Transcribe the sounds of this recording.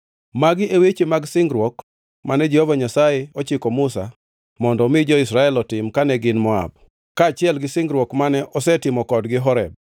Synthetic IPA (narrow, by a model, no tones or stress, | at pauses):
maɡɪʔewet͡ʃemaɡsɪŋɡɾwɔk | manɛd͡ʒɛhovaɲasajɪɔt͡ʃɪkɔmʊsa | mɔndɔmɪd͡ʒɔɪsɾaɛlɔtɪmkanɛɡɪnmɔa̰b̚ | kaːt͡ʃɪɛlɡɪsɪŋɡɾwɔkmanɛʔɔsɛtɪmɔkɔdɡɪɦɔɾɛ̰b̚